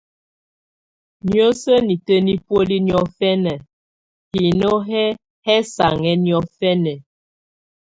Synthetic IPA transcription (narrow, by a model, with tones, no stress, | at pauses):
njo˦sə˦ni˨tə˦ni˦pwo˦li˦njɔ˦fɛ˦nɛ˨ | hi˨no˦ɦɛ˦ | hɛ˦sa̰˨ŋɛ˦njɔ˦fɛ˦nɛ˨